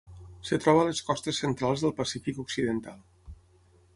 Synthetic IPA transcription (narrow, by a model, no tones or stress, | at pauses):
sət̪ɾɔβəːləskɔst̪əsːənt̪ɾalˠzðəlˠpəsifikuksiðənt̪alˠ